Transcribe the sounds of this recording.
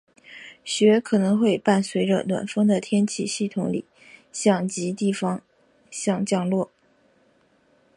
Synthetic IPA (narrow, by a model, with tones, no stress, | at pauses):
ɕɥɛ˧˥kʰɤ˨˩nɤ˧˥ŋxwe˥˧ɪpa˥˩nswe˧˥ɪʈ͡ʂə̰˧lwa̰˨˩nfɤ˥ŋd̪ə˨t̪ʰjɛ˥nt͡ɕʰi˥˧ɕi˥˩t̪ʰʊ˧˥ŋlḭ˨˩˦ | ɕjɑ˥˩ŋt͡ɕi˧˥t̪i˥˩fɑ˧˥ŋ | ɕjɑ˥˧ŋt͡ɕjɑ˥˧ŋlwɔ˥˩